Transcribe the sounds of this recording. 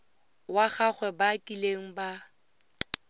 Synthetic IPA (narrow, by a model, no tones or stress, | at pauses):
waɣaχwɛbakʼileŋ̩ba